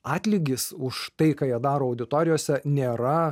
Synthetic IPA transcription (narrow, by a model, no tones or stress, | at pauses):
ɑːt̪ʲlʲɪɡʲɪsʊʃt̪ɐɪkɑːjiɛd̪ɑːɾoːɐʊd̪ʲɪt̪oːɾʲɪjoːsʲɛnʲeːɾɐ